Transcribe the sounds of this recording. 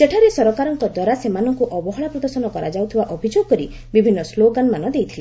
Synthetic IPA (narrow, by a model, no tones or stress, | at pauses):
seʈʰaɾesɔɾɔkaɾɔŋkɔd̪wɔɾasemanɔŋkuʔɔbɔɦɔɭapɾɔd̪ɔɾsɔnɔkɔɾa̰d͡ʒawt̪ʰibaʔɔbʱid͡ʒoɡɔkɔɾi | bibʱinːɔsloɡanmanɔd̪ejt̪ʰile